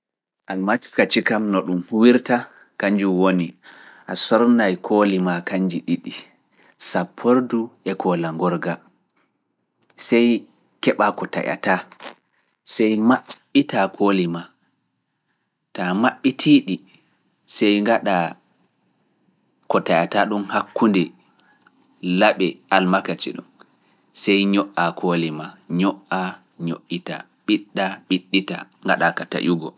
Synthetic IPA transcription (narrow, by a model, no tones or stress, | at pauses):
ʔalmati̥kat͡ʃikamnɔɗumhuwiɾta | kaɲd͡ʒuwoniʔasɔɾnajkʰoːlimakaɲd͡ʒiɗiɗi | sapʰːoɾduʔɛkʰɔlaŋɡɔɾɡa | sɛj | kɛɓakɔta̰ja̰ta | sɛjmaɓːitakʰoːlima | tamaɓːitʰiːɗi | sɛjŋɡaɗa | kɔtajataɗunhakːundɛ | laɓɛalmakat͡ʃḭɗṵn | sɛjɲɔʔakʰoːlimaɲɔʔa | ɲo̰ʔːita̰ | ɓiɗːaɓiɗːita̰ŋɡaɗakata̰ʔuɡɔ̰